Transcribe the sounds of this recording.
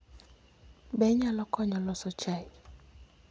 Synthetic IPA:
bɛɲalɔkʰɔɲɔlɔsɔt͡ʃaj

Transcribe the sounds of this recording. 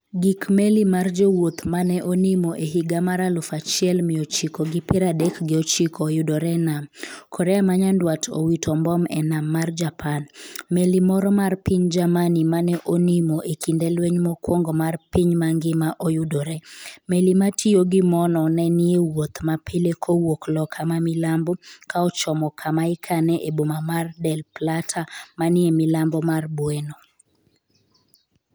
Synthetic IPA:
ɡikmelimard͡ʒowot̪manɛʔonimoʔeɦiɡamaɾalʊfat͡ʃɪɛlmɪot͡ʃikoɡɪpɪɾadɛkɡɪot͡ʃikoːjʊdoɾɛnamkʰɔɾɛamaɲandwatʰo̰witʰɔmbɔmɛ̰namːard͡ʒapʰanmelimɔɾɔmarpiɲd͡ʒamanimanɛʔonimoʔekindelweɲmɔkwoŋɡɔmarpiɲmaŋɡɪmaʔojudoɾɛmelimatʰioɡɪmɔnɔnɛnɪewot̪mapʰɪlekʰowoklɔkʰamamilambɔkaɔt͡ʃɔmɔkʰamaɪkʰanɛʔebomamardɛlplatʰamanɪemɪlambɔmarbweno

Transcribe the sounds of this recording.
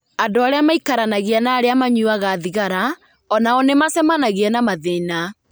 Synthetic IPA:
adoaɾeamaikaɾanaɣianaːɾeamaɲuaɣaðiɣaɾa | ɔnaɔnemasɛmanaɣiɛnamaðena

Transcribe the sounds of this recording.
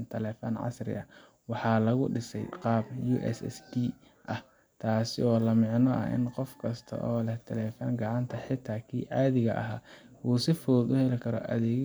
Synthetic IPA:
nt̪ʰɛlɛːfɔ̰nʕɑ̰srɪ̰ɐ | wɑħɑːlɐɣʊɖɪsɛjqɑːbjuːʔɛ̰sɛ̰sd̪iː | ʔɐh | t̪ʰaːsɪɔːlɐmɪʕnɔʔɐ̰ʔɪ̰nqɔfkʰɐst̪ʰɐ̰ʔɔːlɛht̪ʰɛlɛːfɔŋɡɑʕɑnt̪ʰɐħɪt̪ʰːaːkʰḭːʕɑːðɪɣɐʔɐɦaː | wuːsɪfɔːd̪ʊhɛlɪkʰɐɾɔ̰ʔɐðɛː

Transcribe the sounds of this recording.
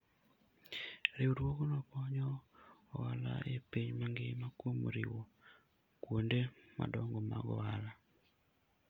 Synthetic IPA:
ɾeuɾwokonɔkɔɲɔː | ala̰ʔepiɲmaŋɡemakwomɾiwo | kwondema̰dɔŋɡɔma̰ɡɔ̰wala

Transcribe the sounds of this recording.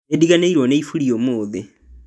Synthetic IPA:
ediɣaneiɾwɔneifuɾiomoːðe

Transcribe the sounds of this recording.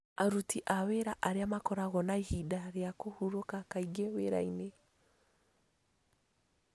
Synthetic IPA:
aɾutiʔaweɾaʔaɾeamakɔɾaɣɔnaihidaɾjakohuɾokakaiɡeweɾa̰ine

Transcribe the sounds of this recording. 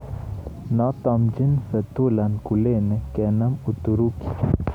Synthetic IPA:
nat̪amd͡ʒinsət̪ulankulenekɛnəmut̪uɾuki̥

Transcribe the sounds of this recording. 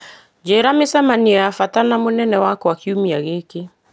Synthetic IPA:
d͡ʒeːɾamesamaniafatanamonɛnɛwakwakiumiaɣeːke

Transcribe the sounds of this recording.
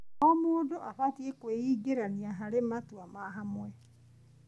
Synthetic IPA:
ɔmoːdoʔaɸatiekweiːɡeɾaniaɦaɾematwamaɦamwɛ

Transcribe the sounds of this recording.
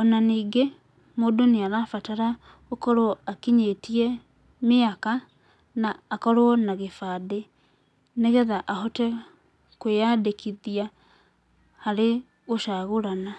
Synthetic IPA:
ɔnaniːɡe | modoneaɾafataɾa | okɔɾoɔakiɲetiɛ | meaka | naːkɔɾwɔnaɣefaːde | neɣɛðaʔahɔtɛ | kwejadekʰiðia | haɾe | ɣoʃaɣoɾana

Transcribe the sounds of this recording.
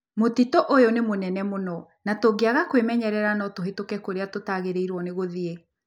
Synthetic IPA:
motitɔʔojonemonɛnɛmonɔ | natoɡeaɣakwemɛɲɛɾɛɾanɔtoɦetokɛkoɾeatotaɣeɾeiɾwɔneɣoðie

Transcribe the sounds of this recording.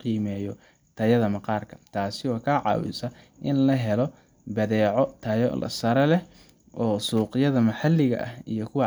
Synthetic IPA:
qiːmɛːjɔ | t̪ʰɐjɐðɐmɐqɑːrkʰɐ̥t̪ʰaːsɪɔːkʰaːʕɑ̰ːwɪ̰sɐʔɪnlɐɦɛlɔ | bɐðɛːʕɔt̪ʰɐjɔ̰lɐ̰sɐɾɛlɛh | ʔɔːsuːqɪjɐðɐmɐħɑlːɪɣɐ̰ʔɐhijɔkʰʊwɑ

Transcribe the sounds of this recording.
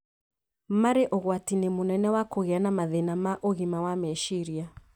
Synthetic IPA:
maɾeʔoɣwatinemonɛnɛwakoɣeanamaðenamaʔoɣimawameʃiɾia

